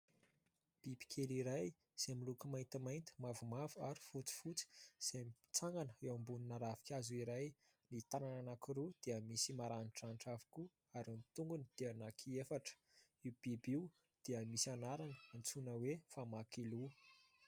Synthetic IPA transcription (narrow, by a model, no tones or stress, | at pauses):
b̥ibi̥kʰeliɾaj | z̥emilukəmajnt̪imajnt̪ə̥mavumavuaɾi̥fut͡si̥fut͡si̥z̥emi | t͡saŋɡanəewambuninaɾavi̥kʲazuiɾaj | nit̪anananakiɾud̪̥eəmisimaɾaniʈ͡ʂanʈ͡ʂavi̥ku | aɾamt̪uŋɡunid̪̥eənakʰiefaʈ͡ʂə̥ | iwb̥ibiw | d̪̥iəmisanaɾanəant͡sunəwefamakilu